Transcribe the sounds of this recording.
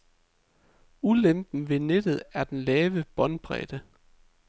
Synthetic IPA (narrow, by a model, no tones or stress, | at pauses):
ulemb̥n̩ʋe̝ned̥ð̞̩ˠæɐd̥enlɛːʋəb̥ɒ̽nb̥ʁɛ̰ːd̥ə